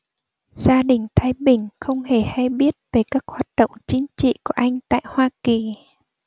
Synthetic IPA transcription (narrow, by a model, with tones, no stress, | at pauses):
z̥aː˧ɗï˨˩ŋ̟t̪ʰaː˧jɓï˨˩ŋ̟xə˧wŋ͡mhe˧˩ha˧jɓi˦˥ət̚ve˨˩kaː˦˥k̚hwaː˨˩t̚ɗə̰˧˨wŋ͡mt͡ɕï˨˦ŋ̟t͡ɕḭ˧˨ku˧˩əʔa˧jŋ̟t̪a̰ː˧˨jhwaː˧ki˨˩